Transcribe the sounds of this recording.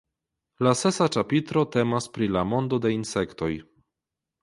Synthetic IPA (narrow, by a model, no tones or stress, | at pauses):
lase̞sat͡ʃapit̪ɾo̞te̞maspɾilamo̞ndo̞de̞inse̞kto̞j